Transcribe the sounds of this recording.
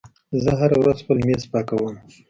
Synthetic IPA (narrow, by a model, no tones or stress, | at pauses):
zəɦaɾawɾazpəlmezpɑkawəm